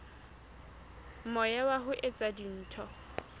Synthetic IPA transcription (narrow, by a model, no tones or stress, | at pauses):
mɔjawaɦʊʔet͡sʼadin̩ːtʰɔ